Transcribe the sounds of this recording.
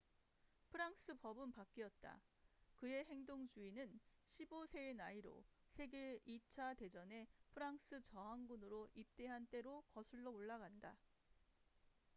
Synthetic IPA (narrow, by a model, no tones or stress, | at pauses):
pʰɯɾaŋs͈ʰɯpʌbɯnpak͈iʌt̚t͈a̰kɯe̞ɦe̞ŋdoŋd͡ʑuinɯnɕʰibosʰe̞ːnaiɾo̰sʰe̞ɡe̞it͡ɕʰate̞d͡ʑʌne̞pʰɯɾaŋs͈ʰɯt͡ɕʌɦaŋɡunɯɾoʔip̚t͈e̞ɦant͈e̞ɾokʌsʰɯɭːooɭːaɡanda